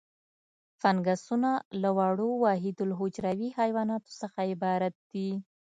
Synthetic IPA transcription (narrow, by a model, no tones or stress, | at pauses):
fanɡasunalawɑɽowɑɦɪd̪ʊlɦod͡ʒɾawihajwɑnɑt̪o̥səxaɪbɑɾat̪̚d̪̥i